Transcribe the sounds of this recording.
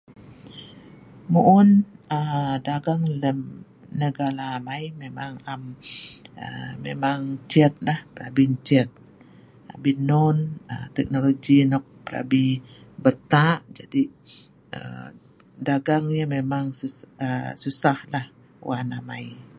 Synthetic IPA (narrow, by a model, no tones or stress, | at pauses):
muʔʊnədaɡaŋləm | nəɡalaːmajmemaŋam | əmḛmaŋt͡ʃɛt̪̚lahpəɾabint͡ʃɛt̪̚ | abinɔnət̪ɛk̚noloɡinɔk̚pəɾa̰bihbərt̪aʔd͡ʒa̰di | ə̰ | daɡaŋɲamemaŋsuəsusahlah | wanamaj